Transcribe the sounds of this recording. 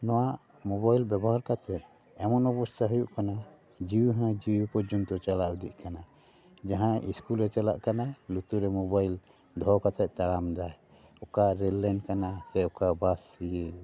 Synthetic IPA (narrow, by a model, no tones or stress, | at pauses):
nɔwaʔ | mɔbajlbɛbɔɦaɾkat̪ʰɛt̪̚ | ɛmɔnɔpust̪aɦujuʔkana | d͡ʒiwuɦãd͡ʒiwupɔd͡ʒɔnt̪ɔt͡ʃalaud̪iʔkana | d͡ʒaɦãiskulɾɛt͡ʃala̰ʔkanalut̪uɾɛmɔbajl | d̪ʱɔkat̪ɛt̪̚t̪aɽamd̪aj | ɔkaɾɛlːankanasɛɔkabasːiɡɛ